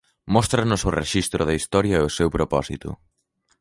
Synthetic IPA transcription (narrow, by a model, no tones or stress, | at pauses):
mɔst̪ɾɐnʊsʊreʃist̪ɾʊðɐist̪ɔɾjɐɛosewpɾopɔsit̪ʊ̰